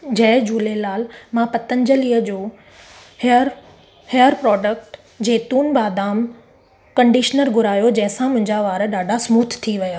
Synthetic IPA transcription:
d͡ʑɐɦd͡ʑuːlelaːlmãpɐt̪ənd͡ʑəliːəd͡ʑoː | həɾ | hejəɾpɾɔːɖək̚ʈ | d͡ʑeːt̪uːnbaːd̪aːm | kɐ̃ɳɖiʃnəɾɡʱʊɾaːjod͡ʑɐ̃ɦɪ̃sãmʊ̃ɦɪ̃ɲd͡ʑaʋaːɾəɗaːɖʱasmuːt̪ʰt̪ʰiʋɐjaː

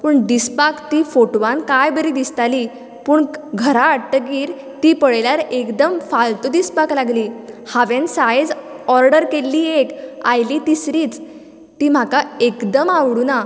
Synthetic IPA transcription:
puːɳɖ̪ispakt̪ifoʈʋãnkajbəɾid̪ist̪ali | puːɳɡʱəɾaːɽʈəɡiːɾ | t̪ipəɭljaɾekd̪əmfalt̪ud̪ispaklaɡliːhaʋensajed͡zɔɾɖəɾkelːiːekajliːt̪isɾiːt͡s | t̪iːm̤akaekd̪əmaʋɽuna

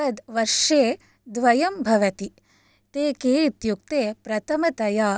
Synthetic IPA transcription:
ɐd̪ʋɐɾʂeː | d̪ʋɐjɐmbʱɐʋɐt̪i | t̪eːkeːit̪juk̚t̪eːpɾɐt̪ʰɐmɐt̪ɐjaː

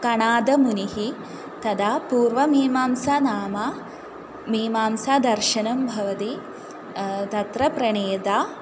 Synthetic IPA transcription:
kɐɳaːd̪ɐmuniɦi | t̪ɐd̪apuːɾʋɐmiːmaːmsaːnaːmaː | miːmaːmsaːd̪ɐɾʃɐnɐmbʱɐʋɐt̪i | t̪ɐt̪ɾɐpɾɐɳeːd̪aː

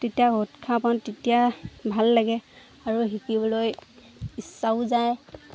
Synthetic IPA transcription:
tetiaɡʱotkʰapantːetijabʱalːaɡɛ | aɹuɦikibɔloj | isːaʊzaj

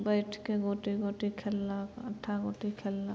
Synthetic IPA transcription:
bəɪʈʰkeɡoːʈiɡoːʈikʰelːakɐʈʰːaɡoːʈikʰelːa

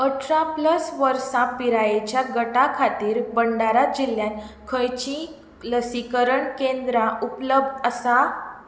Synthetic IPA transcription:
əʈɾapləsʋəɾsãpiɾajet͡ɕjaɡəʈakʰat̪iːɾbəɳɖaɾat̪̚d͡ʑilːjãnkʰəjt͡ɕĩ | ləsikəɾəɳkẽnd̪ɾaupləb̚d̪əsa

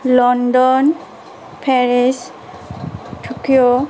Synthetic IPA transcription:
lɔndɔn | pʰɛɹis | tʰukʰio

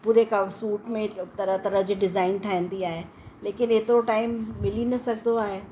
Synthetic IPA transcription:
puːɾekasuːʈmẽt̪ɐɾət̪ɐɾəɦd͡ʑiːɖɪzaːɪnʈʰaːɦĩnd̪iaːɦe | leːkɪnɪt̪oʈaːɪmːɪlinɐsɐɡʱnd̪oaːɦeː

